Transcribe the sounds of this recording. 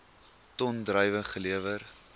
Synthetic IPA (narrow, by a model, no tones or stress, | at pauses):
tɔndrəjvəχəliəvər